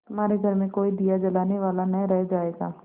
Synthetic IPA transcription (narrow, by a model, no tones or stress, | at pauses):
t̪ʊmaːɾeɡʱɐɾmẽkoːid̪ijad͡ʒɐlaːneʋaːlanɐɦɾɛɦd͡ʒaːeːɡaː